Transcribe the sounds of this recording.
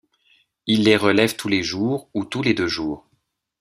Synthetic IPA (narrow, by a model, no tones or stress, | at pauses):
ilːeʁəlɛvt̪ʰuleʒuːʁut̪uled̪øʒuːʁ